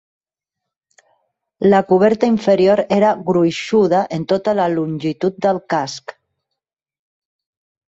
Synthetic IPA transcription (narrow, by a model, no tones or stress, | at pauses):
lakuβ̞ɛɾt̪aiɱfeɾjoɾeɾaɣɾuiʃuð̞aʔent̪ot̪alalunʲʒit̪ut̪̚d̪əlkask